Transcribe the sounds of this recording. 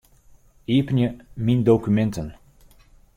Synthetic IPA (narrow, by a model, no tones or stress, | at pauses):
eːpənjəmindowkymɛntən